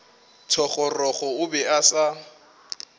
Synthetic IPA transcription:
tʰɔχɔrɔχɔʊbɛasa

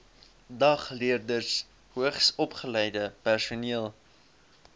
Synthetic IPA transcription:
dɐχliərdərs | huəχsɔpχəlɛjdəpærsuniəlˠ

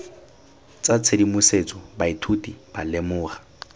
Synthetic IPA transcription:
t͡sʼat͡sʰedimʊset͡sʼɔbaitʰutʼib̥alemʊːχḁ

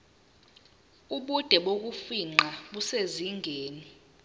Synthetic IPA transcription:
uɓud̥ʱɛɓok̬ufiŋ͡ǃaɓuseziŋʱeːni

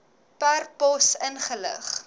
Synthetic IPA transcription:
pærpɔsənχələ̰χ

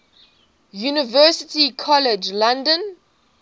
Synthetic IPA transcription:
junivɛsitikʰɔled͡ʒlãndɔ̃n

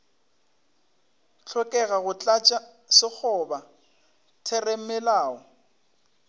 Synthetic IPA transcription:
t͡ɬʰɔkʼɛɣaɣʊt͡ɬʼat͡ʃʼa | sɪk͡xʰʊba | tʰɛrem̩mɪlaːɔ

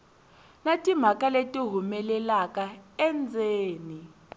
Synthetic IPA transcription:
natʼim̤akʼaletʼiɦumɛlɛlakʼaɛnd͡zʱeːni

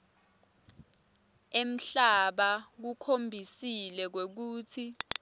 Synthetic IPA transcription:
em̩ɬaɓak̬ukʰombʱisilɛk̬wek̬uːtʰi

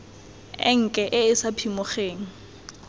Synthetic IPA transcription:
ɪ̰ŋ̩kʼɛʔɪɪsapʰimʊχeːŋ̩

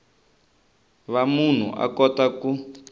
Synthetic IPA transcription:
βamun̤ṵʔa̰kɔtaku

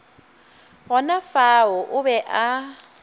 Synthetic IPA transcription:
ɦɔnafaɦɔʔʊβɛʔa

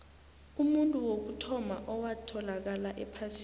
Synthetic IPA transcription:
umuntʼuwok̬utʰɔmaʔɔwatʰɔlak̬alaʔɛpʰas

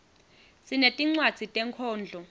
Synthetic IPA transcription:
sinetʼiŋ͡ǀwad̥d͡z̥ʱitʼɛŋkʰɔːnd͡ɮʱɔ

